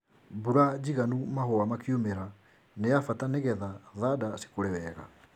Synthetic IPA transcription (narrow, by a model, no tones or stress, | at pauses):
buɾad͡ʑiɣanumahoamakiomeɾa | nejafataneɣɛðaðadasi̥koɾɛwɛɣa̰